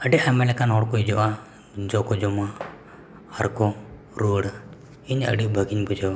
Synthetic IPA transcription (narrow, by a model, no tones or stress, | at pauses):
əɖiʔamɛlɛkanɦɔɽkɔid͡ʒɔʔa | d͡ʒɔkɔd͡ʒɔma | haɾkɔ | ɾuɽa | iɲə̰ɖiʔbʱəɡiɲbud͡ʒawa